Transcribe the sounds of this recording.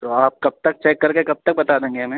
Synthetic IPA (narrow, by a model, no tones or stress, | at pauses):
t̪oaːp̚kɐb̚t̪ɐk̚t͡ʃɛːkːɐɾkekɐb̚t̪ɐk̚bɐt̪aːd̪ẽːŋɡeɐmɛ̃ː